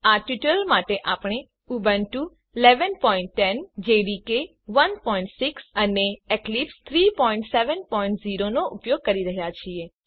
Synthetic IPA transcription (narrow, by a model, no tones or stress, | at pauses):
aʈiʈəlmaʈeʔapɳ̃e | ubənʈu | lɛʋənpɔiɳʈːɛnd͡ʒeɾike | ʋənpɔĩɳʈsiksəneeklipst̪ʰɾipɔĩɳʈseʋənpɔĩɳʈziɾonoʔʊpjoɡ̚kəɾiɾəɦjat͡ʃʰie